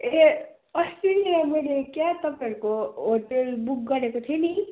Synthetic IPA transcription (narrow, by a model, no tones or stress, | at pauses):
e | ʌst̪inilajmʌjlekjat̪ʌpaɾukoɦoʈelbuk̚ɡʌɾekot̪ʰiʌni